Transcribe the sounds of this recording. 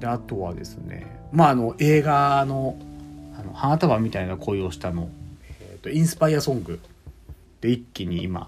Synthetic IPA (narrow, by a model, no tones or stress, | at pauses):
d̪e̞at̪o̞βad̪e̞sɨne̞̰ | maːno̞ʔe̞ːɡano̞ | ano̞̰hãt̪aβamʲit̪ainakʰo̞io̞ːɕi̥t̪ano̞eet̪ːo̞ĩɰ̃sɨ̥paiasõ̞ŋɡɯ̟ | d̪̥e̞ikʲːiɲ̟iḭma̰